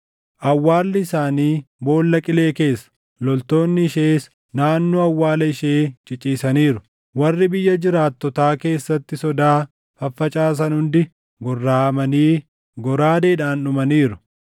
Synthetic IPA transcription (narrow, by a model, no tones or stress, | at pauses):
ʔɐwːaːlːɪɪsaːniːbo̞ːlːɐkʼɪle̞ːke̞ːsːɐ̥ | lɔlt̪o̞ːnːɪɪʃe̞ːs | naːnːoːɐwːaːlɐɪʃe̞ːt͡ʃʼɪt͡ʃʼːiːsɐniːɾʊ | wɐrːɪbɪjːɐd͡ʒɪɾaːt̪ːɔt̪aːke̞ːsːɐt̪ːɪsɔd̪aː | fɐfːɐt͡ʃʼaːs̬ɐnhʊnd̪ɪ | ɡɔrːaːɐmɐniː | ɡɔɾaːd̪eːᶑaːnʊmɐniːɾʊ̥